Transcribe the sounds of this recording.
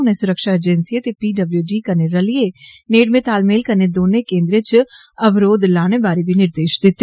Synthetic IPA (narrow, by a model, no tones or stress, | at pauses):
ʊnẽːsʊɾəkʃaːed͡ʒɛnsiːet̪eːpiːɖəbljuːɖiːkəɾneːɾəlɪeːneːɖmẽːt̪aːlmeːlkəɾneːd̪oːnẽːkẽːnd̪ɾeːt͡ʃəʋɾoːd̪laːɽ̃eːbaːɾiːbiːnɪɾd̪eːʃd̪ɪt̪ː